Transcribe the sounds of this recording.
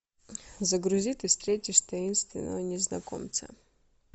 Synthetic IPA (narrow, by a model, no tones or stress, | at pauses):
zəɡɾʊzʲit̪ɨfst̪ɾʲetʲɪʂt̪ɐinst̪vʲɪ̰nːəvənʲɪznɐ̰ko̰mt̪sə̰